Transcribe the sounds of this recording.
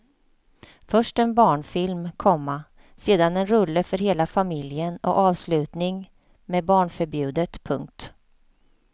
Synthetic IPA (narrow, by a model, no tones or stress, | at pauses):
fœʂʈɛnbɑːɳfɪlmkʰɔmːa | seːd̪anɛnɾɵlːəfœɾɦeːlafamɪljənɔ̰ʔɑːvslʉ̟ːt̪nɪŋ | meːbɑːɳfœɾbjʉ̟ːd̪ət̪pʰɵ̰ŋk̚t̪